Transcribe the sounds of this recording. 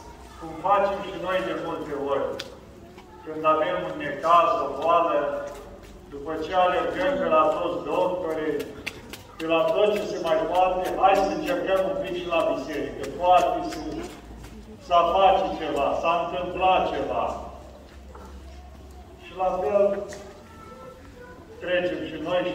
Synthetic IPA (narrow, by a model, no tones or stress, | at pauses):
kumfat͡ʃe̞mʃino̞jd̪e̞mult̪e̞orʲ | kɨnd̪ave̞munːekazovoalə | d̪upət͡ʃealerɡəmpe̞lat̪ot̪sd̪okpəɾe | pelat̪ot̪t͡ʃesemajpat̪eʔajsəɨnt͡ʃerkəmumpikʃilabise̞ɾikət̪uat̪isu | sapatit͡ʃevasaɨnt̪ɨmplat̪̚t͡ʃe̞va | ʃilafel | t̪ɾet͡ʃemʃino̞j